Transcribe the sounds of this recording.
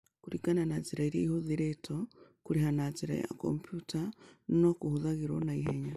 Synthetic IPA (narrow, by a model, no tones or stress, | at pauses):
kuɾiɡananaziɾaiɾiḛihoðiɾetʰokuɾihanaziɾa̰ḭja̰ko̰mpjutanokuhuðaɣiɾo̰naiɦeɲa